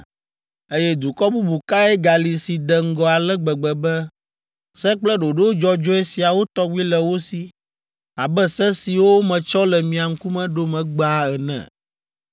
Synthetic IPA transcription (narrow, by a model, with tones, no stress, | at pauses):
e˦jɛ˦d̪u˨kɔ˦bu˦bu˨ka˦ɛ˦ɡa˨li˨si˨d̪ɛ˨ŋ̩˦ɡɔ˨a˨lɛ˦ɡ͡bɛ˨ɡ͡bɛ˨bɛ˦ | sɛ˦k͡plɛ˦ɖo˨ɖe˦wo˦d͡ʒɔ˦d͡ʒɔ˦ɛ˦si˨a˨wo˦t̪ɔ˦ɡʷi˦lɛ˨wo˦si˨ | a˨bɛ˦sɛ˦si˨wo˦mɛ̃˨t͡ʃɔ˦lɛ˨mĩ˨a˨ŋ̩˦ku˦mɛ̃˦ɖo˦mɛ̃˨ɡ͡ba˦ɛ˨nɛ̰̃˨